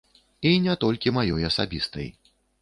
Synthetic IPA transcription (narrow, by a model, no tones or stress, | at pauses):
inʲɛt̪ɔlʲkʲimajɔjɐsa̰bʲḭst̪ɐ̰j